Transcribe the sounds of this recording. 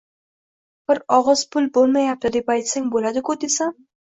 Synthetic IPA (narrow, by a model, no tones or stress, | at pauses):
b̥ɪɾɒʁɨzpʰʊlbolˠmajap̚t̪ɪd̪epajt̪saŋbolad̪ɪkʊd̪esa